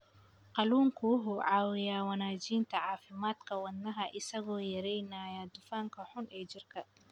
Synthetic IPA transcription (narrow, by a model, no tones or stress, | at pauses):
qɑluːŋkʰʊɦʊʕɑːwɪjaːwɐnaːt͡ʃiːnt̪ʰɐʕɑːfɪmaːd̪kʰɐwɐd̪nɐɦɐʔɪsɐɣɔːjɐɾɛjnaːjaːd̪ʊfaːŋkʰɐħʊnɛːt͡ʃɪrkʰɐ